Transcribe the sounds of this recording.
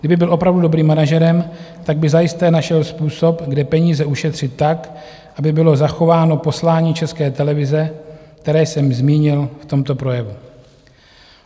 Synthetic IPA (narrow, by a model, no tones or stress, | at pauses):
ɡdɪbɪbɪlʔo̞pɾavdudo̞bɾiːmːanaʒɛɾɛm | t̪aɡ̚bɪzajɪst̪ɛːnaʃɛlspuːso̞pɡdɛpɛɲiːzɛʔuʃɛt̪r̝̥ɪt̪ːak | ʔabɪbɪlo̞zaxo̞vaːno̞po̞slaːɲiːt͡ʃɛskɛːt̪ɛlɛvɪzɛk̚t̪ɛɾɛːsɛmzmiːɲɪlft̪o̞mt̪o̞pɾo̞jɛvu